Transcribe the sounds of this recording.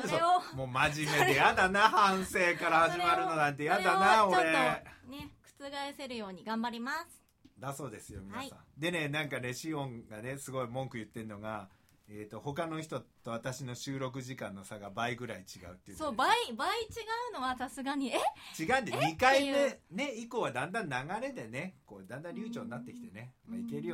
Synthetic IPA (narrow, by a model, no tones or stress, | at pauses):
soomo̞ːmaʑimeejad̪anahãɰ̃se̞ːkaɾahaʑimaɾɯ̟no̞nãnt̪e̞jad̪anaoɾenekɯ̟̥t͡sɨɡaese̞ɾɯ̟jo̞ːɲ̟iɡãmbaɾʲimasɨ̥ | d̪aso̞ːd̪e̞sɨjo̞̰mʲinaisã̰d̪e̞ne̞nãŋkane̞ɕiõ̞ŋɡane̞sɨɡo̞imõ̞ŋkɯ̟jɯ̟t̪ːẽ̞nːo̞ɡa | eːt̪ːo̞ho̞kano̞çi̥t̪o̞t̪o̞βat̪aɕino̞ɕɨːɾo̞k̬ɯ̟ʑikãnːo̞saɡabaiɡɯ̟ɾait͡ɕiɡa̰ɯ̟t̪ːeisoːbaibait͡ɕiɡaɯ̟no̞βasasɨɡaɲ̟iet͡ɕiɡaɯ̟̃nd̪eɲikaiene̞iko̞βad̪ãnd̪ãnːaɡaɾe̞d̪e̞ne̞ko̞ːd̪ãnd̪ãɾʲɨːt͡ɕoːninːat̪ːe̞kʲi̥t̪e̞ne̞maike̞ɾɯ̟jo